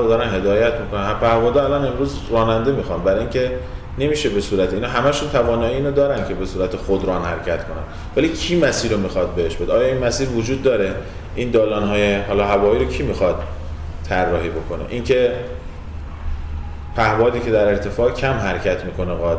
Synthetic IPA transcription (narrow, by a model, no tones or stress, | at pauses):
ɾod̪ɒːɾænɦe̞d̪ɒːjæt̪ʰmiːko̞nænhæmpʰæhvɒːd̪ɒælɒne̞mɾuːz | rɒːnænd̪e̞miːxɒːnbæɾɒinʲkcʰe̞ | ne̞miːʃe̞be̞suːɾæt̪ʰiiːnɒɦæmæʃunt̪ʰævɒːnɒːjiiːnod̪ɒːɾæncʰe̞be̞suːɾæt̪ʰexod̪ɾɒːnhæɾcʰæt̪kʰo̞næ̰n | væliːcʰiːmæsiːɾomiːxɒd̪̚be̞heʃbe̞d̪eɒːjɒːinmæsiːɾvod͡ʒuːd̪̚ːɒːɾe̞ | ʔind̪ɒːlɒːnɦɒːjeɦɒːlɒːɦævɒːiːɾocʰiːmixɒd̪̥̚ | t̪ʰːærːɒːɦiːbo̞kʰonḛʔincʰe̞ | pʰæhvɒːd̪iːcʰe̞d̪æɾe̞ɾt̪ʰe̞fɒːcʰæmɦæɾcʰæt̪miːkʰo̞neɣɒːd̪